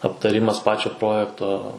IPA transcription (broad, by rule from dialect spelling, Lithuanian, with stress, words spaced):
ɐptɐˈrʲɪmɐs ˈpɑːt͡ʃʲoː ˈproːjɛktoː